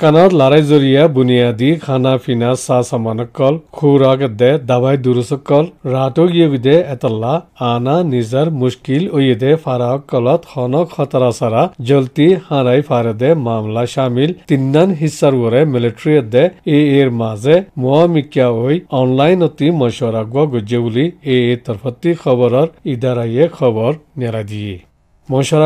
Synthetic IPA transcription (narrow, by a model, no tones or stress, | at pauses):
kanɔt̪laɾajzoɾijabunijad̪ikʰanapʰinasasamanɔkːɔlkʰuɾakɛd̪ɛd̪abajd̪uɾusɔkːɔlɾaʈoɡijoɡid̪ɛɛt̪alːaːnanizaɾmuʃkilojed̪ɛpʰaɾaɔkːɔlɔt̪hɔnɔkhɔt̪aɾasaɾad͡ʒɔlt̪ihãɾajpʰaɾed̪ɛmamlaʃamilt̪inːanɦisːaɾɡɔɾɛmiliʈɾiɔt̪̚d̪ɛeeɾmazɛmɔamikjaojɔnlajnɔt̪imɔʃɔɾaɡwɔɡɔd͡ʒebulieet̪ɔɾfʰɔt̪ːikʰɔbɔɾɔɾid̪aɾajekʰɔbɔɾnaɾajd̪ije | mɔʃɔɾa